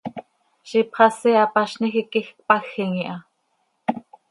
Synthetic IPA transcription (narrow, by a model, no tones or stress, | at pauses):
ʃipχɑsiɑpɑʃnixikixk̚pɑxːiŋiʔɑ